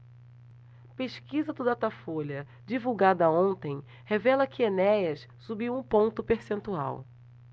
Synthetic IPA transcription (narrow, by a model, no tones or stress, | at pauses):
peʃkizɐd̪ʊd̪at̪afoʎɐ | d͡ʒivuwɡad̪ɐõnt̪ẽj̃ | hevɛlɐkɪenɛjɐs | subiwũpõnt̪ʊpeɾsẽnt̪ua̰w